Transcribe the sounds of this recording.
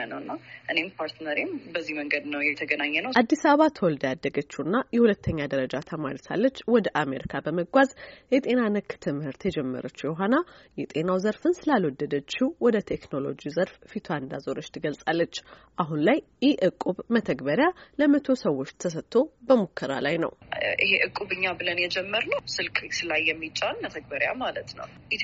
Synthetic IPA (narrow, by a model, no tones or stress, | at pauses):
ənəwɨnːaʔɨne̞mpʰaɾt̪nəɾimbəzːiməŋɡəd̪nəwjɛt̪ʰəɡənaɲːɛnəʔad̪ːisaβəβat̪ʰəwɔld̪əjad̪ːəɡət͡ʃːunːajɛhulət̪ʰːəɲːad̪əɾəd͡ʒat̪ʰəma̰ɾisʰa̰lːət͡ʃːwɔd̪əʔameɾikʰabəməɡʷazjɛt̪ʼe̞nanɨkːt̪ʰɨmhɨɾt̪jɛd͡ʒɛmːə̰ɾət͡ʃːjɛɦanajɛt̪ʼe̞nawzəɾfɨnsɨlalwɔd̪ːəd̪ət͡ʃːiwɔd̪ət̪ʰe̞kno̞lo̞̰d͡ʒizəɾffit̪ʰoand̪azoɾot͡ʃːt̪ʰɨɡəlsʼalːət͡ʃːʔaɦunlaj | jɛʔɨkʼːuβmət̪ʰəɡbəɾjaləmət̪ʰo̞səwːo̞t͡ʃːt̪ʰəs̬ət̪ʰːo̞bəmukʰːəɾa̰lajnə̰wʔiɦeʔɨkʼːuβɨɲːabɨlənjɛd͡ʒɛmːəɾnəwsɨlkʼsɨlajːɛmːit͡ʃʼːanmət̪ʰəɡ̚bəɾja̰malət̪nə̰w | ʔit̪